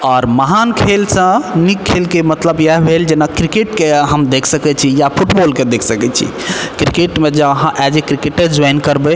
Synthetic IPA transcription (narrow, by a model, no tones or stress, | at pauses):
ɔːɾməɦankʰelsə̃nikʰːelkemət̪ləbjaɦbʱeld͡ʒenakɾikeʈkeɦəmd̪ekʰsəkɛt͡ʃʰijapʰuʈbolked̪ekʰsəkɛt͡ʃʰḭ | kɾikeʈmed͡ʒeɦãʔɛd͡ʒekɾikeʈed͡ʒɔjnkəɾbɛ